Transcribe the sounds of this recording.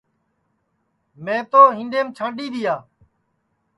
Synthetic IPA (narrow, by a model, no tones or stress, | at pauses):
mẽːt̪oːɦɪ̃nɖeːmt͡ʃʰãːɳɗiːd̪ɪjaː